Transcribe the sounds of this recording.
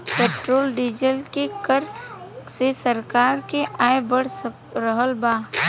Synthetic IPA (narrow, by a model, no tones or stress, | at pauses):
peːʈɾoːlɖɪd͡ʒəlkekəɾsesəɾkaːɾkeʔaːebəɽəkɾəɦəlbaː